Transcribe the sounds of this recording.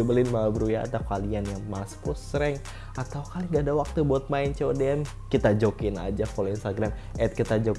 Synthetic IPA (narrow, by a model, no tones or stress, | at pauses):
ubəlɪnmabəɾujaa̰t̪akalianjaŋmaspusɾɛŋ | ʔat̪awkaliŋɡaːdawak̚t̪ubuat̪̚maɪnt͡ʃɛodeɛm | kit̪ad͡ʒokɪna̰d͡ʒakoloinst̪aɡɾam | ʔɛt̪̚kit̪ad͡ʒok